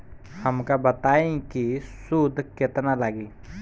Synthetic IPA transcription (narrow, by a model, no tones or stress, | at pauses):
hɐmkabət̪aːẽkisud̪ʱkɪt̪nalaɡiː